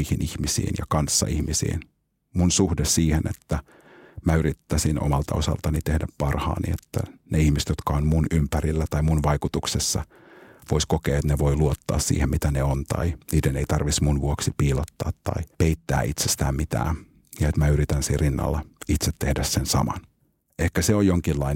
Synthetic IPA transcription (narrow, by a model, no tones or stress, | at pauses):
ihinʔihmisḭːnjɑ̰kɑnsːɑ̰ihmisḭːn | munsuhdessiːhenḛt̪ːæ | mæyɾit̪ːæsino̰mɑlt̪ɑo̞sɑ̰lt̪ɑnit̪ehdæppɑrhɑ̰ːnḭet̪ːæ̰neihmise̥t̪jot̪kɑonmunympærilːæt̪ɑimunʋɑjkut̪uksesːɑ̰ | ʋoiskokḛːet̪neʋo̞iluot̪ːɑ̰ːssḭːhemit̪æneont̪ɑ̰iniːdeneit̪ɑrʋismunʋuoksipiːlot̪ːɑːt̪ːɑ̰ipeit̪ːæ̰ːit̪sest̪æ̰ːmmit̪æ̰ː | jɑet̪mæyɾit̪ænsirinːɑ̰lːɑit̪set̪ːehdæssensɑ̰mɑ̰n | ehkæseojjoŋkilːɑin